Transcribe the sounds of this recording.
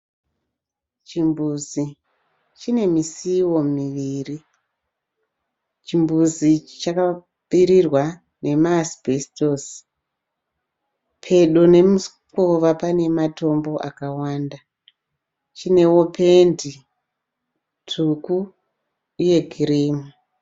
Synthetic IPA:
t͡ʃimbuzi | t͡ʃine̞misiwo̞miʋiːri | t͡ʃimbuzit͡ʃaka | piɾirwa | ne̞masbʱestos | pʰe̞ɗo̞ne̞mus | koʋapane̞mato̞mbo̞ʔakawaːnda | t͡ʃine̞wopʰe̞ndi | tʰukuː | je̞ɡʱiriːmu

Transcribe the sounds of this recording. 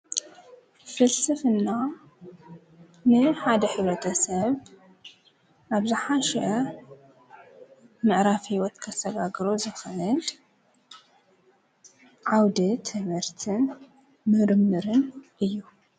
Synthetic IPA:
fɨlsɨfɨnːa | nɨħad̪ɐħɨβɾɐt̪ʰɐsɐβ | ʔaβzɨħaʃɛʔɐ | mɨʔɾafhiwɔt̪kʰɐsɐɡaɡɾo̞zɨxʔɨl | ʕawd̪it̪ʰɨβɨɾt̪ʰɨn | mɨɾmːɨɾɨnʔɨjːu

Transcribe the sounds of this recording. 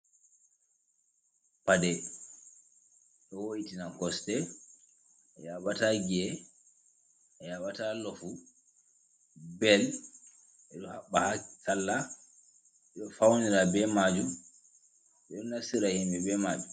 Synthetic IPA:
padɛ | ɗɔwojitinakɔstɛ | ʔɛjaɓataɡɛ | ɛjaɓatalɔfu | bɛl | ʔɛɗɔhaɓːahasalːa | ɛɗɔfawniɾabɛmad͡ʒum | ɛɗɔnasiɾahimbɛbɛmaːd͡ʒu

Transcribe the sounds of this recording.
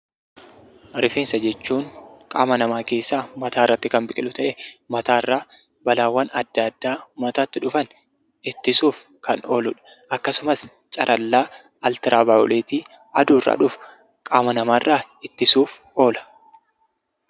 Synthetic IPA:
ɾɪfiːnsɐd͡ʒɛt͡ʃːuːŋkʼa̰ːmɐnɐmaːke̞ːsːaːmɐt̪ʰaːɪrːɐt̪ːɪkɐmbɪkʼɪlʊt̪ɐʔɛmɐt̪aːɪrːaː | bɐlaːwːɐnɐd̪ːɐd̪ːaːmɐt̪aːt̪ːɪᶑʊfɐn | ɪt̪ːɪsuːf | kɐnʔo̞ːlʊᶑɐ̥ | ʔɐkːɐsʊmɐs | t͡ʃʼɐ̰ɾʔɐlːaː | ɐlt̪ɪɾʔaːbaːʔɔ̰lʔeːt̪iː | ɐd̪uːrːʔa̰ːᶑʊf | kʼaːmɐnɐmaːrːaː | ɪt̪ːɪsuːf | o̞ːlɐ̥

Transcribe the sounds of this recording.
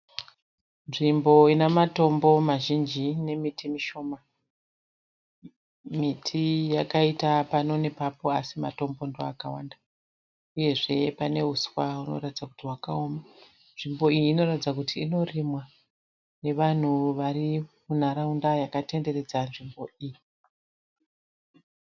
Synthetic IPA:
nʐimbo̞inamato̞mbo̞maʒind͡ʒine̞mitimiʃo̞ːma | mitʰijakaitapano̞ne̞papo̞asima̰to̞mbo̞ndoakawanda | uje̞ʐe̞pane̞ɦuswauno̞̰ratid͡zaku̥tiɦwakao̞ma | nʐimbo̞ijiːno̞ratid͡zakutʰiːno̞rimwa | ne̞ʋan̤uʋarimun̤aɾaundajakate̞nde̞re̞d͡zanʐimbo̞iji

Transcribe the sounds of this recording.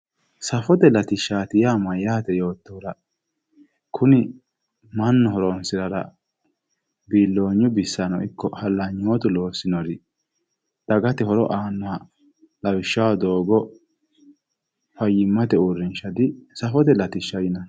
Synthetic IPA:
sɐfɔd̪ɛlɐt̪ɪʃːaːt̪ɪjaːmɐjaːt̪ɛjo̞ːt̪ːɔːɾɐ | kʰʊnɪ | mɐnːɔhɔɾonsɪɾɐɾɐ̰ | biːlːo̞ːɲːʊbɪsːɐnɔɪkːɔhɐlːɐɲːoːt̪ʊlo̞ːsːɪnɔɾɪ | d̪̥ɐɡɐt̪ɛhɔɾɔ̰ʔaːnːɔhɐ | lɐwɪʃːawd̪o̞ːɡɔ | fɐjɪmːɐt̪ɛurːɪnʃɐd̪ɪsɐfɔd̪ɛlɐt̪ɪʃːɐjɪnɐ

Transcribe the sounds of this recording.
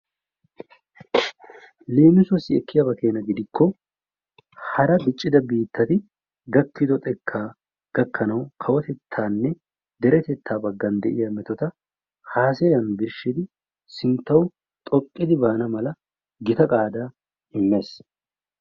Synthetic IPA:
leːmɪsɔsːɪɛkːɪjɐbɐke̞ːnɐɡɪd̪ɪkʰːɔ | hɐɾɐb̪ɪt͡ʃʼːɪd̪ɐbiːt̪ːɐt̪ɪ | ɡɐkːɪd̪ɔt̪ʼɛkʰːaː | ɡ̥ɐkʰːɐnɐwkʰɐwɔt̪ɛt̪ʰːaːnːɛ | d̪ɛɾɛt̪ɛt̪ʰːaːbɐɡːɐnd̪ɛʔɪjɐmɛt̪ɔt̪ɐ | haːsɛjɐnb̪ɪɾʃːɪd̪ɪ | sɪnt̪ːɐw | t̪ʼɔkʼːɪd̪ɪbaːnɐmɐlɐ | ɡɪt̪ɐkʼaːd̪a | ɪmːeːs

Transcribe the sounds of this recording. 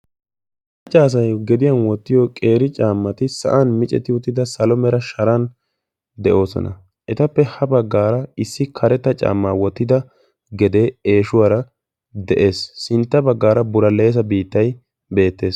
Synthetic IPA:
ɐt͡ʃʼːaːs̬ɐjɡɛd̪ɪjɐnwɔt̪ːɪjɔkʼe̞ːɾɪt͡ʃʼaːmːɐt̪ɪsɐ̰ʔɐnmɪt͡ʃʼɛ̰t̪ːɪʊt̪ːɪd̪ɐsɐlɔmɛɾɐʃɐɾɐn | d̪ɛʔo̞ːsɔ̰nɐ̰ | ʔɛt̪ɐpːɛhɐbɐɡːaːɾɐɪsːɪkʰɐɾɛt̪ːɐt͡ʃʼa̰ːmːaːwɔt̪ːɪd̪ɐ | ɡɛd̪e̞ːeːʃʊwaɾɐ | d̪ɛʔe̞ːsːɪnt̪ːɐbɐɡːaːɾɐbʊɾɐleːsɐbiːt̪ːɐj | be̞ːt̪ːe̞ːs

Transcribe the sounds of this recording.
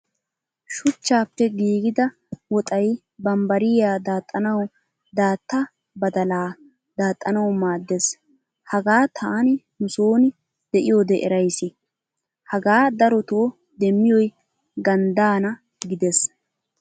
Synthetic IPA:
ʃʊt͡ʃːaːpːɛɡiːɡɪd̪ɐ | wɔt̪ʼɐj | bɐmbɐɾɪjaːd̪aːt̪ʼːɐnɐw | d̪aːt̪ːɐ | bɐd̪ɐlaː | d̪aːt̪ʼːɐnɐwmaːd̪ːes | hɐɡaːt̪ʰaːnɪnʊsoːnɪ | d̪̥ɛʔɪjoːd̪ɛʔɛɾɐjsɪ | hɐɡaːd̪ɐɾɔt̪oː | d̪ɛmːɪjɔj | ɡɐnd̪aːnɐ | ɡɪd̪es

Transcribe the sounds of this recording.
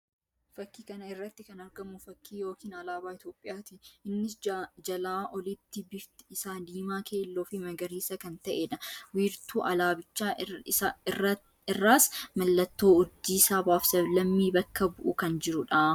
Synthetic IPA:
fɐkːiːkɐnɐɪrːɐt̪ːɪkɐnɐɾɡɐmːʊfɐkʰːiːjo̞ːkiːnɐlaːbaːɪt̪jo̞ːpʼːɪjaːt̪iɪnːɪsd͡ʒɐlaːʔɔlɪt̪ːɪbɪft̪ɪɪsaːd̪iːmaːkʰe̞ːlːoːfɪmɐɡɐɾiːsɐkɐnt̪ɐʔeᶑɐwiːɾt̪uːʔɐlaːbɪt͡ʃːaː | ɪrɐ | ɪrːaːsmɐlːɐt̪ːo̞ːʊd͡ʒːiːsaːbaːfsɐblɐmːiːbɐkːɐbʊʔʊkɐnd͡ʒɪɾʊᶑaː

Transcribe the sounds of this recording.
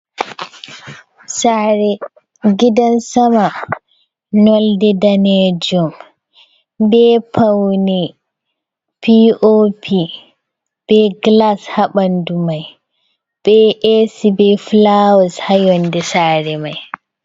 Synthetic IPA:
saɾɛ | ɡidansama | nɔldɛdaned͡ʒɔm | bɛpʰawnɛ | pʰiʔopʰi | b̥ɛɡlashaɓandumaj | b̥ɛʔesibɛflawɔshajɔndɛsaːɾɛmaj

